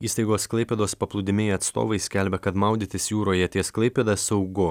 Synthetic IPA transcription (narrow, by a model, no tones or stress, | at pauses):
iːst̪ɐɪɡoːsklˠɐɪpʲɛd̪oːspɐplˠʊd̪ʲɪmʲɪɐt̪st̪o̰ːʋɐɪsʲkʲælʲbʲɛkɐt̪mɑˑʊd̪ʲit̪ʲɪsjuːɾoːjɛt̪ʲiɛsklˠɐɪpʲɛd̪ɐssɐʊɡʊ